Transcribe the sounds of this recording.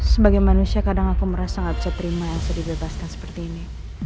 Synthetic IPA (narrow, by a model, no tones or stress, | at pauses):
səbaɡajmanusiakadaŋakuməɾasaŋɡabisat̪əɾimajaŋsadibebaskansə̥pərt̪iːni